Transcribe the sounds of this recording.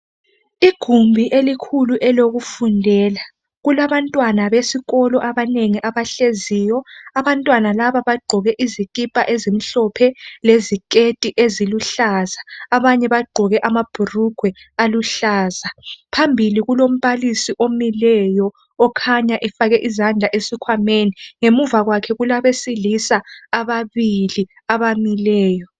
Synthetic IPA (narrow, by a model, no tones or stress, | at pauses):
iɡ̥ʱumbʱiʔelikʰuluʔɛloɣufundʱɛːla | ɣulaβantʼwanaβesiɣɔlɔʔaβaneŋiʔaβaɬezijɔaβantʼwanalaβaβaɡ͡ǃʱɔɣɛʔizikʼipʼaʔezimiɬɔpʰɛlezikʼetʼiʔeziluɬazaːβaɲɛβaɡ͡ǃʱɔɣɛʔamab̥ʱuruɡ̥ʱwɛ | aluɬaːzapʰambʱiliɣulom̩βalisiʔomilɛjɔː | kʰaɲaʔɛfaɣɛʔizand͡ɮʱaʔesikʰwameniŋemuvaɣwakʰɛɣulaβesilisaaβaβili | aβamilɛːjɔ